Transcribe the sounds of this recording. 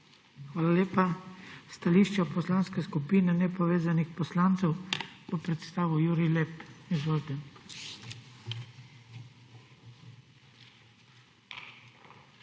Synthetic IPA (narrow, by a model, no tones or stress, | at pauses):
xʋaːlalʲeːpast̪aliːʃt͡ʃɛpɔslanskɛskupiːnɛnɛpɔʋeːzanixpɔslaːnt̪sɛwpɔpɾɛt̪st̪aːʋujuːɾilɛpizʋoːlt̪ɛ